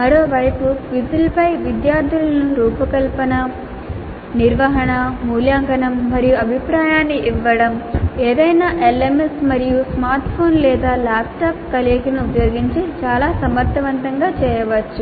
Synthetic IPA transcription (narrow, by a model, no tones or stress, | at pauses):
mɐɾoːʋɐjpuʋid̪ulɐpɐjʋid̪jaːɾd̪ʱulɐnuɾuːpɐkɐlpɐnɐ | niɾʋɐɦɐɳɐmuːljaːŋɡɐnɐmːɐɾijuɐbʱipɾaːjaːnːiʔiʋːɐɽɐmeːd̪ɐjnaːʔelemesmɐɾijusmaːɾʈpʰo̞ːnlɛːd̪aːlaːpʈaːp̚kɐleːkinupjoːɡiɲt͡ʃit͡ʃaːlaːsɐmɐɾt̪ʰɐʋɐnt̪ɐŋɡaːt͡ʃɛːjɐʋɐt͡ʃːu